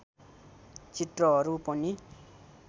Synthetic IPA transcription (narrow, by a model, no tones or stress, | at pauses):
t͡siʈrʌɦʌɾupʌni